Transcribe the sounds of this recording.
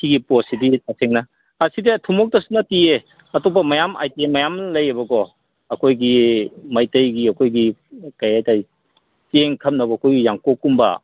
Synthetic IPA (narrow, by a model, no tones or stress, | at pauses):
kʰiɡiposidisaseŋnɐ | ɐsidetʰumɔk̚tɐsunɐtie | ɐtopɐmɐjama̰jtemɐjamnlɐjebɐɡɔ | ɐkʰojɡimɐjtɐjɡiɐkʰojɡikɐjajtaj | seŋkʰɐmnɐbɐɐkʰojɡijaŋkokumbɐ̰